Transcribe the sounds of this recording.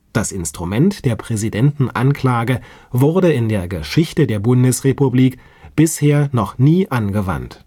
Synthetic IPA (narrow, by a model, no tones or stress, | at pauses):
d̥asɪnstʁ̥umɛntd̥eːɐpʁ̥ɛzidɛntn̩ʔa̰nkl̥aːɡə | vʊɐdəɪndeːɐɡəʃɪçtədeːɐbʊndəsʁepubliːk | b̥ɪsheːɐnɔχniːʔanɡəva̰nt